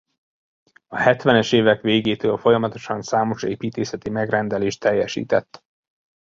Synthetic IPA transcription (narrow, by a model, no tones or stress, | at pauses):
ɒhɛt̪ʋɛnɛʃeːvɛkʋeːɡeːt̪øːlfo̞jɒmɒt̪o̞̥ʃɒnsaːmo̞ʃḛːpiːt̪eːsɛt̪imɛɡrɛnd̪ɛleːʃt̪ʰːɛjːɛʃḭːt̪ɛt̪ː